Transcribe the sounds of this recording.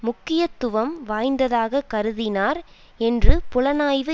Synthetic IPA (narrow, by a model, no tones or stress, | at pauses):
mʊkːɪjɐt̪ːʊʋɐmʋaːjnd̪ɐðaːɣɐkːɐɾɯðɪnaːɾ | ɛndrɯpʊlɐnaːjʋɯ